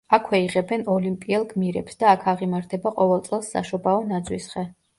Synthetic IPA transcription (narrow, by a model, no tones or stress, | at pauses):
akʰwɛiʁɛbɛnɔlimpʼiɛlˠɡmiɾɛpsd̪aːkʰaʁimaɾt̪ʰɛbaqʼɔvɛlˠt̪sʼɛlˠsːa̰ʃɔbaɔnad̪zwisχɛ